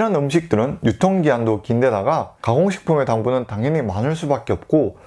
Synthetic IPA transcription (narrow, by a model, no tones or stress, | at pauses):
ɾɦanɯmɕʰik̚t͈ɯɾɯnjutʰʌŋɡiandokinde̞daɡakaɡoŋɕʰi̥k̚pʰume̞taŋbunɯntaŋɦʌɲimanɯɭs̬͈ubak͈eʌp̚k͈o